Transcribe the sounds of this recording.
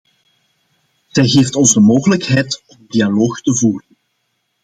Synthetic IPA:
z̥ɛjɣeːftɔnzdəmoːɣələkɦɛjtɔmdialoːxtəvuːrən

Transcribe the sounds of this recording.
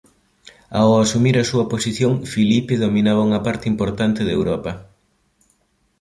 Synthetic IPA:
a̰wasumiɾɐsuɐposiθjoŋfilipeðomĩnaβɐuŋɐpaɾt̪ɪimpoɾt̪ant̪ɪðewɾɔpɐ

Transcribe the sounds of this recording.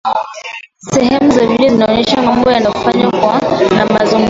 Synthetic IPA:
sɛhɛmuzavilɛzinaɔɲɛʃamambɔjanafaɲakwanamazuŋɡ

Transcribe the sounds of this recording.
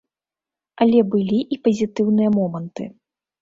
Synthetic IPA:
ɐlʲɛbɨlʲiʔipɐzʲit̪ɨwnɨjɐmɔmɐnt̪ɨ̰

